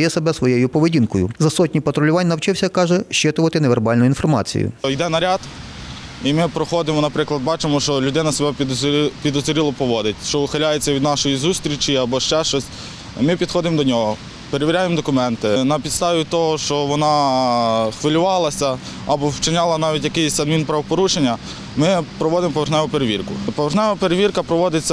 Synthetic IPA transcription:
jɛsebɛsʋɔjejʊpɔʋedʲinkɔjʊzɐsɔt̚ʲnʲipɐt̪ɾɔlʲʊʋɑnʲnɐwt͡ʃɪwsʲɐkɑʒɛʃt͡ʃɪt̪ʊʋɐt̪ɪneʋerbɑlʲnʊinfɔrmɑ̰t͡sʲḭjʊ̰jd̪ɛnɐɾʲɑd̪ | imɪpɾɔxɔd̪ɪmɔnɐpɾɪklˠɐd̪bɑt͡ʃɪmɔʃt͡ʃɔlʲʊd̪ɪnɐsebɛpʲid̪ɔzɾʲilˠɔpɔʋɔd̪ɪtʲʃt͡ʃɔʊxɐlʲajet͡sʲːɐʋʲid̪nɑʃɔjizust̪ɾʲit͡ʃiɐbɔʃt͡ʃɛʃɔsʲ | mɪpʲid̪xɔd̪ɪmd̪ɔnʲɔɦɔ | peɾeʋʲiɾʲajemd̪ɔkʊmɛnt̪ɪnɐpʲid̪st̪ɑʋʲit̪ɔɦɔʃt͡ʃɔʋɔnɑ | xʋɪlʲʊʋɑlˠɐsʲɐ | ɐbɔwt͡ʃɪnʲɑlˠɐnɑʋʲitʲjɐkɪjsʲɐd̪mʲinpɾɐʋɔpɔɾuʃenʲːɐ | mɪpɾɔʋɔd̪ɪmpɔʋerxnɛʋʊpeɾeʋʲirkʊpɔʋerxnɛʋɐpeɾeʋʲirkɐpɾɔʋɔd̪ɪt͡sʲːɐ

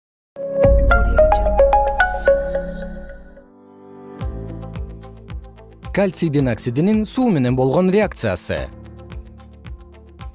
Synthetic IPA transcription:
kalʲt̪sʲid̪inaksid̪ininsuːme̞ne̞nbo̞lˠʁo̞nrʲeak̚t̪sɨja̰sɨ̰

